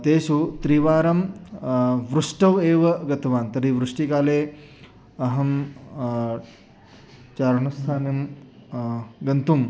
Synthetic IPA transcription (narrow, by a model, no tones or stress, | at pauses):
t̪eːsut̪ɾiʋaːɾɐm | ʋɾuʂʈɐʋeːʋɐɡɐt̪ʋaːnt̪ɐɾiʋɾuʂʈikaːleː | ɐɦɐm | t͡ʃaːɾɳɐst̪ʰaːnim | ɡɐnt̪um